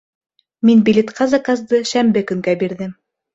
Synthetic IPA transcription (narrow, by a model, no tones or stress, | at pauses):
minbilʲet̪qɑzɑkɑzd̪ɤʃæmbɘkɵ̆ŋɡæbiɾðɘm